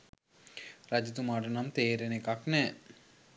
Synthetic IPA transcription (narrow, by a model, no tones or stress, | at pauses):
rad͡ʑit̪umaɖənamt̪eːɾenekaknɛ